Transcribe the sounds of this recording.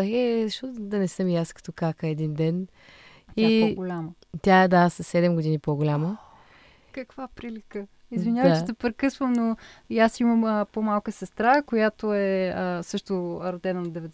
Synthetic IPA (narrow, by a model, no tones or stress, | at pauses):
xɛzɐʃt̪ɔt̪d̪ɐnɛsɤmjaskɐ̥t̪ɔkakəɛd̪ind̪ɛn | iaɡolʲamə | t̪ʲaɛd̪asɐsːɛd̪ɛmɡod̪inipoɡolʲamə | kəkv̥apɾilikə | izvinʲjavətt͡ʃɛt̪ɛpɾɛkɤsvəmnojasiməməpomalˠkəsɛst̪ɾakojat̪oɛəsɤʃt̪oɾɐd̪ɛnənɐd̪ɛvɛd̪